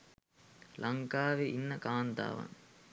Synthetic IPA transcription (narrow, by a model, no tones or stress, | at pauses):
lʔɐŋkaːʋeʔinːɐkaːnd̪a̰ːʋɐ̰ŋ